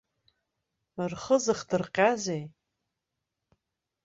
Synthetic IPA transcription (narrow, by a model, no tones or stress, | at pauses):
ɨrχəzɨχdɨrqʲʼazej